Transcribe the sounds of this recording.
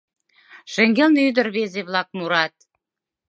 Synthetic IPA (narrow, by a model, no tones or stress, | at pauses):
ʃɘ̆ŋɡelnyd̪ə̆rβezeβlɑk̚muɾɑt̪̚